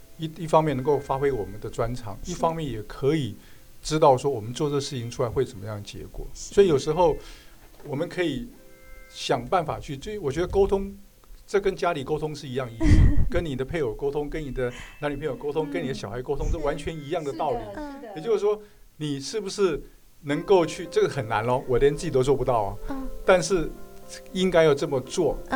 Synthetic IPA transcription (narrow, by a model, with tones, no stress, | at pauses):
i˥i˥˩fɑ˥ŋmjɛ˥˩n˧˥ŋko˥˩ʊfa˥xwe˥ɪwɔ˨˩mə˦nd̪ə˨ʈ͡ʂwa˦nʈ͡ʂʰɑ̰˨˩˦ŋi˥˩fɑ˥ŋmjɛ˥˩njɛ˨˩kʰɤ˧˦˥i˨˩ | ʈ͡ʂɻ̩˥t̪ɑ˥˩ʊʂwɔ˥wɔ˨˩mə˦nt͡swɔ˥˧ʈ͡ʂɤ˥˧ʂɻ̩˥˩t͡ɕʰi˧˦ŋʈ͡ʂʰu˥la˧˥ɪwe˥˩ɪt͡sə˨˩mə˦jɑ˥˩ŋd̪ə˩t͡ɕjɛ̰˧˥kwɔ̰˨˩˦swɔ˧˥i˨˩jo˨˩ʊʂɻ̩˧˥xo˥˩ʊwɔ˨˩mə˦nkʰɤ˧˥i˨˩ | ɕjɑ˨˩ŋpa˥˩nfa̰˨˩t͡ɕʰy˥˩t͡ɕwɔ˨˩t͡ɕɥɛ˧˥d̪ə˧ko˥ʊt̪ʰʊ˥ŋ | ʈ͡ʂɤ˥˩kə˥nt͡ɕja˥li˨˩ko˥ʊt̪ʰʊ˥ŋʂɻ̩˥˩i˧˥jɑ˥˧ŋi˥˧˩s̩˨˥kə˦nni˨˩d̪ə˦pʰe˥˩ɪjo˨˩ʊko˥ʊt̪ʰʊ˥ŋkə˦ni˨˩d̪ə˦na˧˥nli˨˩pʰjo˨˩ko˥ʊt̪ʰʊ˥ŋkə˥ni˨˩d̪ə˦ɕjɑ˨˩ʊxa˧˥ɪko˥ʊt̪ʰʊ˥ŋt͡sə˥˩wa˧˦nt͡ɕʰɥɛ˧˥ni˧˥jɑ˥˩ŋd̪ə˩t̪ɑ˥˩ʊli˨˩jɛ˨t͡ɕjo˥˧ʊʂɻ̩˥˩ʂwɔ˥ | ni˨˩ʂɻ̩˥˩bu˩ʂɻ̩˥˩ | nɤ˧˥ŋko˥˧ʊt͡ɕʰy˥˧ʈ͡ʂɤ˥˩ɡxə˨˩na˧˥nlɔ˦wɔ˨˩˧ɛ˧˦nt͡s̩˥˩t͡ɕi˨˩t̪o˥ʊt͡swɔ˥˩pu˧˦t̪ɑ˥˩ʊɐ̰˨˦t̪a˥˧nʂɻ̩˥˩ | i˦ŋka˥ɪjɑ˥˧ʊʈ͡ʂɤ˥˩mə˩t͡swɔ˥˩